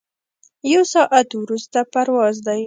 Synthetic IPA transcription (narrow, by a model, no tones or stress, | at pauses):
jawsɑʔat̪wɾust̪apaɾwɑzd̪aj